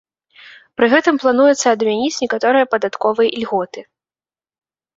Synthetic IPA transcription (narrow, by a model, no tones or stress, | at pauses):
pɾɨɣɛt̪ɨmplˠan̪ujɛt̪sːɐɐd̪mʲanʲit͡sʲnʲɛkat̪ɔɾɨjɐpɐd̪at̪kɔvɨjʔilʲɣɔt̪ɨ